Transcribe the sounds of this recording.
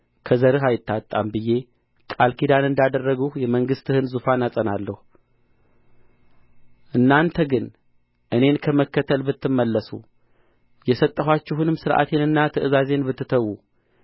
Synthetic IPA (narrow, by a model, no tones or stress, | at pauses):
kʰəzəɾɨɦajɪt̪ːat̪ʼːambɨje̞ | kʼalkʰid̪anɨnd̪ad̪ərːəɡuhjɛməŋɡɨst̪ɨhɨnzufanasʼənalːəhu | ʔɨnːant̪ʰəɡɨn | ʔɨne̞nkʰəməkːət̪ʰəlbɨt̪ʰːɨmːəlːəsṵ | jɛsət̪ʼːəɦwat͡ʃːɪɦunɨmsɨɾʔa̰t̪ʰe̞nɨnːat̪ʰəʔɨzaze̞nbɨt̪ːɨt̪ʰəwːu